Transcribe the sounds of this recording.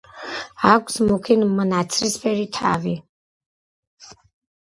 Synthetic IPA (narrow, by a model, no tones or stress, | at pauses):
akʷʰsmukʰinmənat̪sʰɾispʰɛɾit̪ʰa̰vi